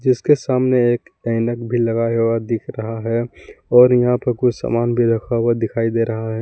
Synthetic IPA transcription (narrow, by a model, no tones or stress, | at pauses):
d͡ʒɪskesaːmneeːkɛɪnəkbʱilɐɡaɦowad̪ɪkʰɾɐɦaɦɛɔːɾjɐɦãpɐɾkusa̰ːmaːnbʱid̪ʱəkʰawad̪ɪkʰaːid̪eɾɐɦaɦɛː